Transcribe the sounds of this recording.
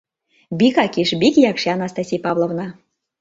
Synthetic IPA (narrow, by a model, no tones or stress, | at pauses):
bikɑkʲiʃbʲikjɑkʃeɑnɑst̪ɑsʲijpɑvlˠovnɑ